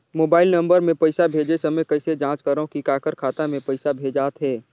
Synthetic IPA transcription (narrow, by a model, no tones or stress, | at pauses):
moːbaːɪlnɐ̃mbəɾmẽpɐɪsabʱeːd͡ʒesɐməjkɐɪsed͡ʒãːt͡ʃkəɾõkikaːkəɾkʰaːt̪amẽpɐɪsabʱeːd͡ʒaːt̪ɦɛː